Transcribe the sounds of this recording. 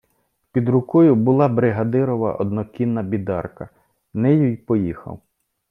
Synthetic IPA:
pʲid̪ɾʊkɔjʊbʊlˠɑbɾɪɦɐd̪ɪɾɔʋɐ̰ʔɔd̪nɔkʲinːɐbʲid̪ɑ̰rkɐ | nɛjujpɔjixɐ̰w

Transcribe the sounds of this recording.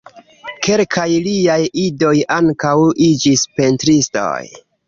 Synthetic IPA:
ke̞lkʰajliajido̞jaŋkawid͡ʒispentɾisto̞̰j

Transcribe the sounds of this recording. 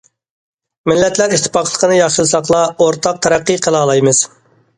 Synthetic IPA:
mɪlːɛt̪læɾiʃt̪ʰːɪ̥pɑqəlˠəqʰənɨjɑχʃɨlˠsɑqlˠɑoɾt̪ʰɑq̚t̪ʰɛɾæqːiqʰəlˠɑːlˠɑjmɨz̥

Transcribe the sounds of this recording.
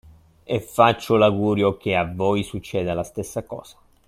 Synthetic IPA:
efːat͡ʃːolaɡuːɾjok̟eavːɔjsut͡ʃːɛːd̪alast̪esːakɔ̰ːz̥ḁ

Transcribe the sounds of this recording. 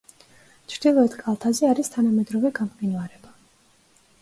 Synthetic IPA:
t͡ʃʰɾd̪̥ilˠɔɛt̪ʰkʼalˠt̪ʰazɛaɾist̪ʰanamɛd̪ɾɔvɛɡamqʼinvaɾɛba

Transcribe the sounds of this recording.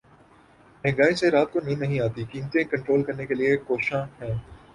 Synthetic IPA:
mɛ̃ːŋɡaːiseɾaːt̪̚konĩnːɐɦĩaːt̪ikĩːmt̪ẽkɐ̃ɳʈɾoːlkɐɾnekeliekoːʃãɦɛ̃ː

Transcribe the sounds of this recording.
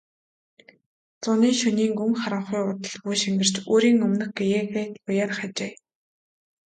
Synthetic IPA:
t͡sʊniːŋʃɵniːŋɡɵŋχaɾə̆ɴχʊjʊt̪ə̆ɮɡujʃiŋɡɘ̆r̥t͡ɕoːɾiːŋɵmnɘ̆xɡejeːɣeːt̪pʊjaːrχat͡ɕeː

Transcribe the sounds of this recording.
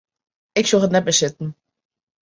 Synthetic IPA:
ɪksoətnɛt̚bəsɪtn̩

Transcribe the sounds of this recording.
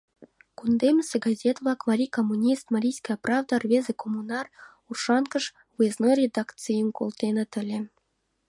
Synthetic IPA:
kund̪emʲɘ̆sʲeɡɑzʲet̪vlˠɑkmɑɾʲikomːunʲist̪maɾʲijsʲkɑjɑprɑvd̪ɑrvʲezĕkʰomunɑr | urʂɑnkɤ̆ʂ | vujeznorʲed̪ɑkt͡sɨjəmkolˠt̪enĕt̪ɘ̆lʲĕ

